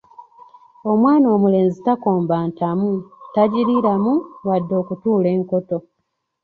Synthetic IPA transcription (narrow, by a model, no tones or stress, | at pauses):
omwaːno̞ːmule̞ːnzitako̞ːmbaːntamutaɟiɾiɾamuwadːo̞ːkutuːle̞ːŋko̞to̞